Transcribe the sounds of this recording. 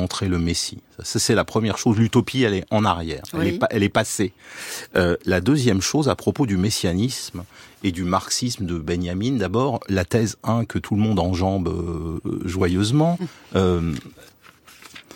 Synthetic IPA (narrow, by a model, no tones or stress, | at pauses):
ɑ̃t̪χeləmesisasasɛlapχəmjɛʁʃozlyt̪ɔpʰiɛlɛɑ̃naʁjɛːʁɛlɛʔɛlɛpase | ølad̪øzjɛmʃozapχɔpod̪ymesjanismed̪ymaʁksisməd̪əbɛnjamind̪abɔʁlat̪ɛzɛ̃kət̪ʰuləmɔ̃d̪ɑ̃ʒɑ̃bø̰ʒwajøzmɑ̃ø